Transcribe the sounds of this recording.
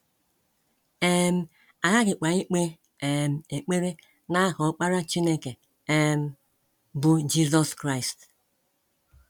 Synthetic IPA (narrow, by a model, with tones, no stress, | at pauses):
e˦m̩˦ | a˨ɣa˦ɡɪ˨k͡pa˨ɲi˦k͡pe˦ | e˨m̩˨e˨k͡pe˦ɾe˦ | na˦ɦɔ˨˦k͡pa˦ɾa˦t͡ʃi˦ne˦ke˨ | e˦m̩˦ | bʊ˦d͡ʒi˦zɔ˦skɾa˦jst